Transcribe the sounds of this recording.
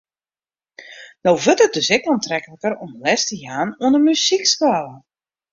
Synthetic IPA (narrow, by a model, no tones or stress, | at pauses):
nowvətət̚døsɛkantrɛkləkəɾɔməlɛstəjaːnoənəmysikskalˠə